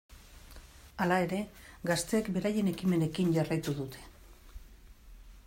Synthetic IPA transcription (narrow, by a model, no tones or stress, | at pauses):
alae̞ɾe̞ɡast̪e̞ːkbe̞ɾaje̞ne̞kime̞ne̞kiɲʝarajt̪uðut̪ʰe̞̥